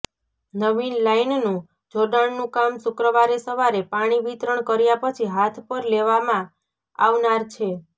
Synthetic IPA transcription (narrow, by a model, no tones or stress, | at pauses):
nəʋinlainnũ | d͡ʒoɖaɳnũkamsʊkɾəʋaɾesəʋaɾepaɽ̃iʋit̪ɾəɳkəɾjapət͡ʃʰiɦat̪ʰpəɾleʋamã | a̰ʋnaɾt͡ʃʰe